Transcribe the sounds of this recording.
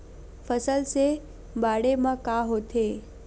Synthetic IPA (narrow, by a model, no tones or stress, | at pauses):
fəsəlse | baːɽemãkaɦot̪ʰe